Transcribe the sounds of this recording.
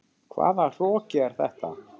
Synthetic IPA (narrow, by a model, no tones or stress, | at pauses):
kʰva̰ːðar̥ɔːcɪɛɾ̥θɛht̪a